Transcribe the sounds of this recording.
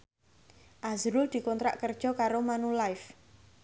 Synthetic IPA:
ʔazɾʊld̪̥i̤kɔnt̪ɾa̰ʔkərd̥ʒ̥ɔ̤kaɾomanulaɪf

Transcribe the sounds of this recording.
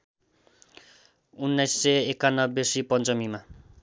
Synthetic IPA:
unːajsːeekanːʌbːjesipʌnt͡sʌmima

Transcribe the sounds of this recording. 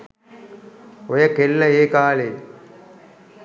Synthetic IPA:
ojɐkelːɐeːkaːleː

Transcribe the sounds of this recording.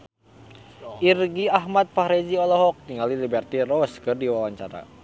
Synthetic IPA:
ʔirɡiaɦmat̪̚faɾɛziɔlɔɦɔk̚t̪iŋɡalilibɛrt̪irɔskɨrdiwawaɲt͡ʃa̰ɾa̰

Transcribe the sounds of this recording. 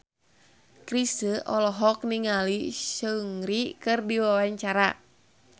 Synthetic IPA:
kɾisəʔɔlɔɦɔk̚niŋalisəŋɾikɨrdiwawaɲt͡ʃaɾa

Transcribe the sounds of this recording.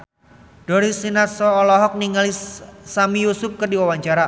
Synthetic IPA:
d̥ɔɾisinat̪sɔːlɔɦɔk̚niŋalisamijusʊp̚kərdiwawaɲt͡ʃaɾa

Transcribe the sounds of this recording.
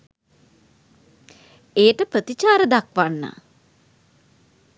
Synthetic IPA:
ejəʈəpɾət̪it͡ʃaːɾəd̪akʋanːa̰

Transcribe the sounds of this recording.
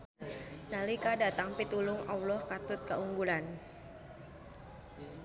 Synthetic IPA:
nalikadat̪aŋpit̪ulʊŋawlɔhkat̪ʊt̪̚kauŋɡulan

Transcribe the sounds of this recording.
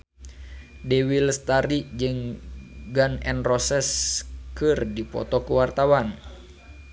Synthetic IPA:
dɛwilst̪aɾid͡ʒɨŋ | ɡanɛ̰nrɔsɛskɨrdipɔ̰t̪ɔkuwart̪awan

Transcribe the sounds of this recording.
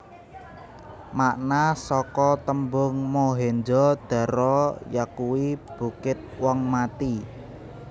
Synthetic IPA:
maʔnasɔkɔt̪əmbʊŋmoɦend͡ʒɔd̪̥ä̤ɾɔjakuwib̥ṳkɪt̪̚wɔŋmat̪i

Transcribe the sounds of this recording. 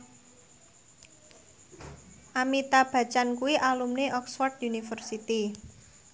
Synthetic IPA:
ʔamit̪ab̥a̤t͡ʃankuwiʔalumneʔɔksfɔrd̪junifərsit̪i

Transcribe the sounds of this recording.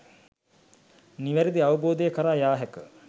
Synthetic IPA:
niʋæɾid̪iaʋəboːd̪əjəkəɾaːjaːɦækə

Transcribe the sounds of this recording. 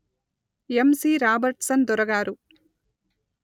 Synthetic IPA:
emsiːɾaːbɐɾʈsɐnd̪ɔɾɐɡaːɾu

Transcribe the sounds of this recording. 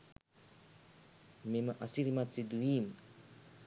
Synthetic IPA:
memaʔasiɾimat͡sid̪uim

